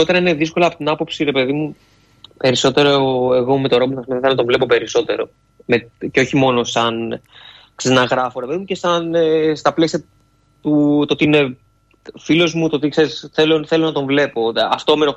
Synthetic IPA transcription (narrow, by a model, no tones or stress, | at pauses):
o̞t̪eɾɐineðisko̞lɐːpot̪inɐpo̞psiɾe̞pe̞ðimu | pe̞ɾiso̞t̪e̞ɾoeɣo̞me̞t̪oɾo̞pmɐsimðθenɐt̪oɱvle̞po̞pe̞ɾiso̞t̪e̞ɾo̞̰ | meceo̞çimo̞no̞sɐn | kseznɐɣɾɐfoɾepeðimuce̞sɐnst̪ɐple̞siɐ | t̪ut̪o̞t̪ine̞ | filo̞zmut̪o̞t̪ikse̞ɾisθeloθelo̞nɐt̪õ̞ɱvle̞po̞ɐft̪omeno